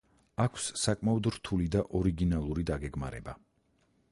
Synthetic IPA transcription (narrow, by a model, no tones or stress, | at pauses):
akʷʰsːakʼmaɔd̪ɾt̪ʰulid̪aʔɔɾiɡinalˠuɾid̪aɡɛɡma̰ɾɛ̰ba